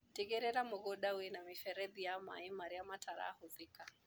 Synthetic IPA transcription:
tiɣɛɾɛɾamʊɣɔɗawɛnamifɛɾɛðijama̰imaɾiamatʰaɾa̰huðika

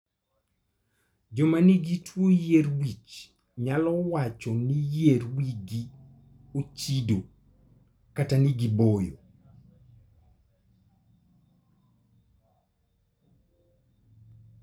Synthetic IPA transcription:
d͡ʒɔmaniɡitwojeɾwit͡ʃ | ɲalɔwat͡ʃɔnijerwiɡi | ot͡ʃido | kataniɡibojo

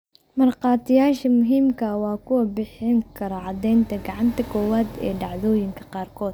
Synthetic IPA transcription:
mɐrqɑːt̪ʰɪjaːʃɐmʊɦiːmkʰɐwɑːkʰʊwɐbɪħɪŋkʰɐɾɐʕɑd̪ɛjnt̪ʰɐɡɑʕɑnt̪ʰɐkʰɔːwaːd̪ɛ̰ːɖɑʕðɔːjɪŋkʰɐqɑːrkʰɔːd̪̥̚

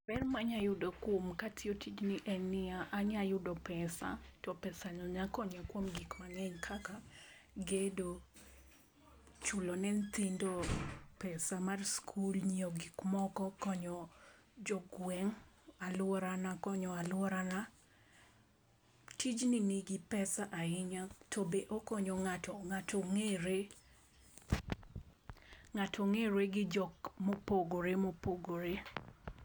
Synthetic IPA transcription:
bɛrmaɲajʊdɔkwomkatʰɪotʰid͡ʒniʔɛnɪaʔaɲajʊdɔpɛsa̰tɔpɛsaɲɔɲakɔɲɔkwomɡikmaŋɛɲkʰaka | ɡedo | t͡ʃulɔnɛnt̪indɔpɛsamarskʰulɲiɔɡikmɔkɔkɔɲɔ | d͡ʒɔɡwɛŋ | alwɔɾanakɔɲɔalwɔɾana | tid͡ʒniniɡɪpɛsaʔaɪɲatʰobeʔokɔɲɔŋatɔŋatʰɔŋeɾe | ŋatʰɔŋeɾweɡɪd͡ʒɔkmopoɡoɾemopoɡoɾe

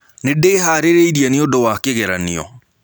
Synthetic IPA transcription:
nedeːɦaːɾeɾeiɾiɛneodowakeɣɛɾaniɔ̰

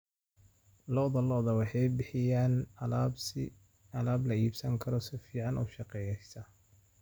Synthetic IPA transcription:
lɔðɐlɔðɐwɑħɑjbɪħɪjaːn | ɐlaːblɐiːbsɐŋkʰɐɾɔsɪfiːʕɑnʔɔ̰ːʃɑqɛjɛjsɐ

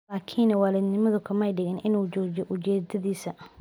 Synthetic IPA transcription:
laːkʰinɐwaːlɪd̪nɪmɐðʊkʰɐmɛjɖɪɣɛnʔɪnuːd͡ʒɔːd͡ʒɔʔʊt͡ʃɛːd̪ɐðiːsɐ

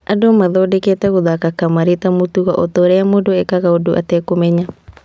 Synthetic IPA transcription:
adomaðoːdeketɛɣoðakakamaɾetamutuɣaʔotoɾɛamodoekaɣaodoʔa̰tɛkomɛɲa

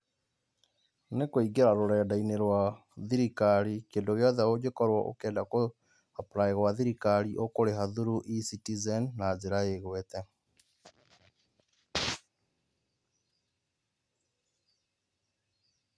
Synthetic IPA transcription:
nekoiɡeɾaɾoɾɛːdaineɾwa | ðiɾikaɾikeːndoɣeɔðɛod͡ʑekɔɾwɔʔo̰kɛːndako | hapɾaeɣwaðiɾikaɾiʔokoɾeɦaðuɾuʔisitizɛnːazeɾaeɣwɛtɛ

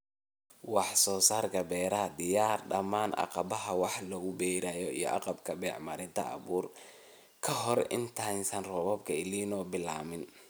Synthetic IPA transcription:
wɑħsɔːsaːrkʰɐbɛːɾɐɦɐd̪ɪjaːrɖɐmaːnʔɑ̰qɑbɐɦɐwɑħlɔɣʊbɛjɾajɔijɔ̰ʔɑqɑbkʰɐbɛːʕmɐɾɪnt̪ʰɐ̰ɑ̰βuːr | kʰɐɦɔrɪ̰nt̪ʰaːnsɐnrɔβɔbkʰɐɪliːnɔːbɪla̰ːmɪn

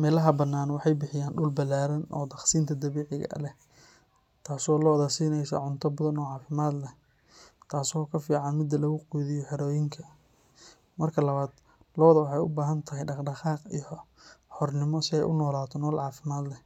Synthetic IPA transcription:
mɛːlɐɦɐbɐnːaːnwɑħɑjbɪħɪjaːnɖʊlbɐlaːɾɐnʔɔ̰ːd̪ɐχsiːnt̪ʰɐd̪ɐβɛːʕɪɣɐ̰lɛ | t̪ʰaːsɔːlɔːðɐsiːnɛjsɐ̰ʕʊnt̪ʰɐbɔðɐnɔːʕɑːfɪmaːd̪lɛ | t̪ʰaːsɔːkʰɐfiːʕɑnmɪd̪ːɐlɐɣʊquðɪjɔħɛɾɔːjɪŋkʰɐ | mɐrkʰɐlɐβaːd̪̥ | lɔːðɐwɑħɑjʊbaːɦɐnt̪ʰɐɦɛjɖɑχɖɑqɑːqḭjɔħɔrnɪmɔsɪɛjʔʊnɔːlaːt̪ʰɔnɔːlʕɑːfɪmaːd̪lɛ

